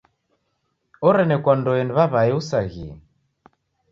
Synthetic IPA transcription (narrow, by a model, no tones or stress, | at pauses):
ɔɾɛnɛkwandɔɛniβaβaɛusaɣiɛ̰